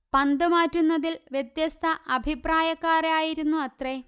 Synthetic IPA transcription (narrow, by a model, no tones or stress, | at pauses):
pɐnd̪ɨmaːtːunːɐðilʋjet̪jɐst̪ʰɐʔɐbʱipraːjɐkːaːraːjiɾunːuɐt̪re